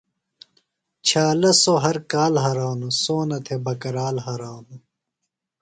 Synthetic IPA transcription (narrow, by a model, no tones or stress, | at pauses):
t͡ɕʰaːlɐsoɦɐɾkaːlɦɐːɾaːnusoːnɐt̪ʰebɐkɐɾaːlɦaɾaːnu